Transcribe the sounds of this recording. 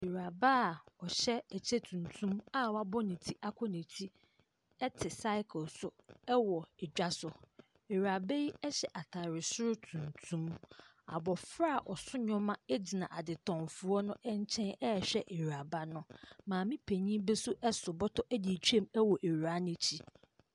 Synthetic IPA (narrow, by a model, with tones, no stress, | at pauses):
e˨ɾa˨ba˦˨ɔ˨ɕɛ˦æ˨t͡ɕʰe˦tʰũ˨ntʰũ˦ma˦wa˦bɔ˦nĩ˨tʰi˦ʔa˦kʷʰɔ˦nĩ˨tʰi˦ | ɛ˦tʰɪ˨sa˦ɪ˦kʰʊ˨lsʊ˨ɛ˦wɔ˨ɛ˨d͡ʑᶣa˦sʊ˨ | e˨ɥa˨be˦ji˦ɛ˦ɕɛ˨ʔa˨tʰa˨ɾɪ˨sʊ˦ɾʊ˦tʰũ˨ntʰũ˦m | a̰˨bɔ˨fɾa˦˨ʔɔ˨sʊ˦ɲɔ̃˦mã˦ɛ˦d͡ʑi˨nã˨ʔa˨dɪ˨tʰɔ̃˨mfʊ˨ɔ˦nʊ̃˦ʔɛ˦ɲ˦t͡ɕʰɛ̃˦nɛ˦ɛ˨ɕᶣɛ˦ʔe˨ɾa˨ba˦nʊ̃˦mãː˨mĩ˦pʰe˨ɲĩ˦bɛ˦sʊ˦ʔɛ˦sʊ˨bɔ˦tʰɔ˦ʔæ˦di˨t͡ɕᶣu˦e˦˨mɛ˦wɔ˨ʔe˨ɥa˦nɪ̃˦t͡ɕʰi˦